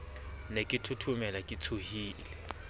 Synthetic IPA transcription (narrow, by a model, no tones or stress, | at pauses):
nekʼɪtʰutʰumɛlakʼɪt͡sʰʊhiːlɛ